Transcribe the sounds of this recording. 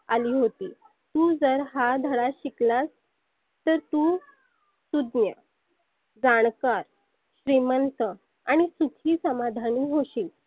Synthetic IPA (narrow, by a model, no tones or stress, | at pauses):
aliːɦot̪iː | t̪uːd͡zəɾɦad̪ʱəɭaɕiklas | t̪əɾt̪uː | sud̪njə | d͡zaɳkaɾ | ɕɾimənt̪ə | aɽ̃isukʰiːsəmad̪ʱaniːɦoɕiːl